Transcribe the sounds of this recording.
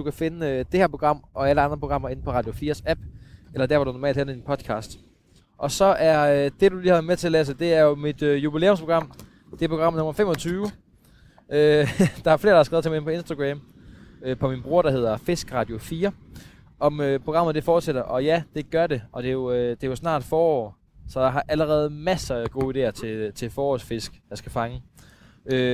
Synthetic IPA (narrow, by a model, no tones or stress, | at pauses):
d̥ukʰæfe̝nəød̥e̝hæɐpʰo̝ɡ̥ʁɑ̈m̰ʔɒ̽æləɑ̈nd̥ʁɐpʰo̝ɡ̥ɑ̈m̰ɐe̝n̩pʰɒ̽ʁɑ̈d̥jo̝fiːɐsæb̥elɐd̥æɐʋɑ̈ɾunɒmɛ̰ːld̥hel̩d̥inpʰɒ̽d̥kʰɑ̰̈ːsd̥ | ʔɒ̽sɒ̽ʔæɐd̥e̝d̥uliːhɑʋæɐð̩ˠmeɐt͡sʰe̝ɐlɛːs̬əd̥e̝æɐjo̝mid̥øjubile̝̰ːoms̬pʰoɡ̥ʁɑ̈m̰ | d̥epʰoɡ̥ʁɑ̈m̰̩nɔ̽mɐfem̰ɒ̽t͡sʰyːʊ | ød̥ɑ̈æɐfle̝ːɐd̥ɾɑhɑsɡ̥ɛðˠt͡sʰemempʰɒ̽e̝nsd̥aɡ̥ʁɛ̰m | øpʰɒ̽minb̥ʁuɐɾ̥ɑ̈ɦe̝ð̞̰ˠɐfe̝sɡ̥ʁɑ̈ːd̥jo̝fiːɐ | ʔɒ̽møpʰʁ̥o̝ɡ̥ɑ̈məð̩ˠd̥e̝fɒːd̥seɾ̥ɐʔɒ̽jæd̥e̝ɡ̥ɶɐɾe̝ʔɒ̽d̥e̝jo̝ød̥e̝jo̝snɑ̰̈ːd̥fɒːɒ̰ː | sɒ̽j̥ɑ̈ɦɑ̈ʔæləʁɛːð̞̩ˠmæsɐɡ̥o̝ːide̝̰ɐt͡sʰe̝t͡sʰe̝fɒːɒ̰ːsfe̝sɡ̥jɑ̈sɡ̥æfɑ̈ŋə | ø